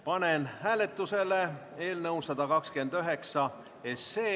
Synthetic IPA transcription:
pɑnenhæːle̞t̪ˑːuse̞le̞e̞ːlnɤuwsɑd̪̥ɑkɑkskend̪̥øɦe̞ksɑ | e̞sːeː

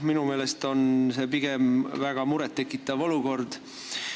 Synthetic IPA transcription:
minume̞ːle̞st̪o̞nse̞piɡ̥e̞mvæɡ̥ɑmuɾɛt̪ːe̞kːˑit̪ːˑɑvo̞luko̞rd̪̥

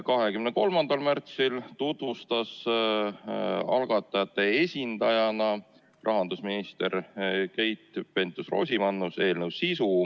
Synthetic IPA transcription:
kɑɦe̞kymneko̞lmɑnd̪̥ɑlmært̪silt̪ut̪vust̪ɑs | ɑ̰lɡ̥ɑt̪ːˑɑjɑt̪ˑːe̞e̞sʲind̪ɑjɑnɑ | rʔɑɦɑnd̪usminist̪eɾke̞jt̪ˑpe̞nt̪ːˑusro̞̰ːsʲimɑnːuse̞ːlnewsisu

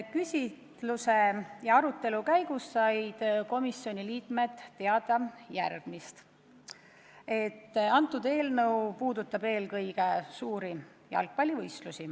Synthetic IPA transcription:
kysʲit̪luse̞jɑɑɾut̪ːˑe̞lukæjɡ̥usːɑjd̪̥ko̞misio̞nʲiliːt̪ˑme̞t̪ːe̞ɑd̪̥ɑjærɡ̥mist̪ | e̞t̪ːɑnt̪ːˑud̪̥e̞ːlnɤwpuːd̪ut̪ːˑɑbe̞ːlkɤjɡ̥esuːɾi | jɑ̰lk̚pɑlʲːivɤjst̪lusi

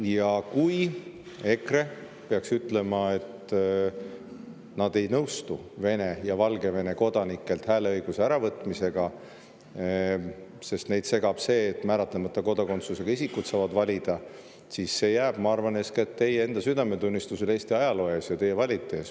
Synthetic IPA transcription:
jɑkuj | e̞kre̞ | pe̞ɑksyt̪ːˑle̞mɑe̞t̪ | nɑd̪e̞jnɤwst̪uve̞ne̞jɑvɑlɡe̞ve̞ne̞ko̞d̪̥ɑnikːˑe̞lt̪hæːleɤjɡ̥useæɾɑvɤt̪ːˑmise̞ɡ̥ɑ | se̞st̪ne̞jd̪̥se̞ɡ̥ɑb̥se̞ːt̪ːˑmæːɾɑt̪ːˑlemɑt̪ˑːɑko̞d̪̥ɑko̞nt̪suse̞ɡ̥ɑisikːut̪sɑːvɑd̪vɑlʲid̪̥ɑ | siːsːe̞ːjæːb̥mɑɑrvɑneskɑe̞t̪ːe̞jee̞nd̪̥ɑsyd̪ɑme̞t̪unʲːist̪useleːst̪iɑjɑlo̞jesjɑt̪e̞jːe̞vɑlʲit̪ːˑe̞s

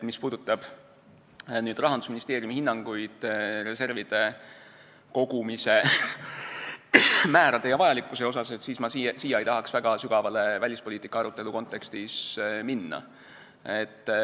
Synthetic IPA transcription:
mispuːd̪̥ut̪ˑːɑb̥ | nyːd̪rɑɦɑnd̪usminist̪eːɾjumihinːɑŋɡ̥ujd̪̥re̞se̞rvid̪̥e̞ | ko̞ɡumise̞ | mæːɾɑd̪e̞jɑvɑjɑlikːˑuse̞o̞s̬ɑset̪siːsmɑsisijɑejt̪ɑɦɑksvæɡ̥ɑsyɡ̥ɑvɑle̞vælʲispo̞liːt̪ːˑikːˑɑɑɾut̪ːˑe̞luko̞nt̪ˑːe̞kst̪isminːɑ̰ | et̪ː

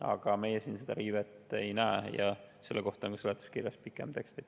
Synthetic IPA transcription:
ɑ̰ɡ̥ɑme̞jesiːnsed̪ɑɾiːvet̪ːˑejnæejɑ̰se̞lːeko̞ht̪ˑoŋkɑselet̪u̥skirjɑspikːˑemt̪e̞kst̪ɑd̪

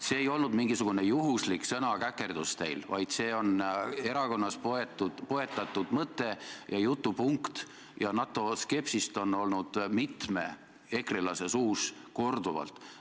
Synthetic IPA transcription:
se̞ːjo̞lnud̪miŋɡ̥isuɡ̥une̞juɦusliksɤnɑkækːˑe̞rd̪̥ust̪e̞jlvɑjd̪̥se̞ːo̞ne̞ɾɑko̞nːɑspoet̪ːu̥po̞e̞t̪ːˑɑt̪ːˑud̪̥mɤt̪ːˑe̞jɑjut̪ːupuŋkt̪ | jɑnɑt̪ːˑo̞ske̞psist̪o̞no̞lnud̪̥mit̪me̞ | e̞krilɑse̞suːsko̞rd̪̥uvɑ̰lt̪ˑ

